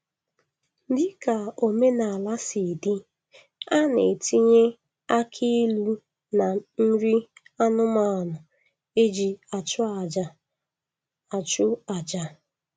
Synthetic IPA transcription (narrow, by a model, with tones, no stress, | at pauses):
dɪ˦ka˨o˨me˦na˨a˨la˦si˨di˦ | a˦ne˨ti˦ɲe˦ | a˦kʰi˦lu˦ | na˨n̩˦ɾi˦ | a˦nʊ˦ma˦˨a˨nʊ˨ | e˦d͡ʒi˨a˨t͡ʃʊ˦a˨d͡ʒa˦ | a˨t͡ʃʊ˦a˨d͡ʒa˦